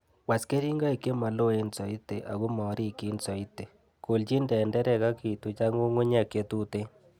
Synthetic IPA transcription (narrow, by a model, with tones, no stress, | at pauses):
wa˨ske˦ɾi˦ŋɡa˦e˨ke˦ma˨lo˦e˨˦nsɔ˨i˦te˨ʔa̰˨ɣu˦mɔ˨ɾi˦ki˨˦nsɔ˨i˦te˨ | ko˨ld͡ʒi˦ndɛ˨ndɛ˦ɾɛ˨ɣa˦ki˨tu˨t͡ʃa˦ŋo˦ŋwe˦ɲa˨ke˨t̪u˦te˦